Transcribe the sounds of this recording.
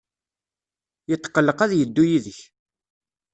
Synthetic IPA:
jət̪ˤːqːəlːəqæðjəd̪ːujiðəç

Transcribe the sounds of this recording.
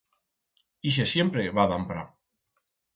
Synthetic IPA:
iʃ̬esjempɾeβaðampɾa̰

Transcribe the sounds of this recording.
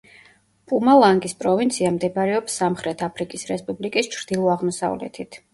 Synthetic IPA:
pʼumalˠaŋɡispʼɾɔvint̪sʰiamd̪ɛbɾɛɔpsːamχɾɛt̪ʰapʰɾikʼisɾɛspʼublikʼist͡ʃʰɾd̪̥ilˠɔaʁmɔsa̰vlɛ̰t̪ʰit̪ʰ

